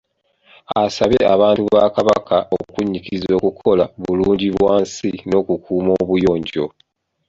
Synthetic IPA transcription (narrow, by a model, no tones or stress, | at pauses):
asaβeaβaːntuβakaβakʰaʔo̰kuɲːikizo̞ːkukʰo̞laβuluːɲɟiβwaːnsino̞ːkukʰuːmoːβujo̞ːɲɟo̞̰